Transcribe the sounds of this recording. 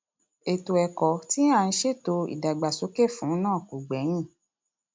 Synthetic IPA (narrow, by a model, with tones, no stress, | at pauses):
e˨to˨ɛ˨kɔ˨ti˦a˦˨˧n̩˦ʃe˦˨to˧ḭ˨da˨ɡ͡ba˨so˨˦ke˦˨fũ˨˦nãː˦˨ku˨ɡ͡bɛ˨˦j̃ĩ˦˨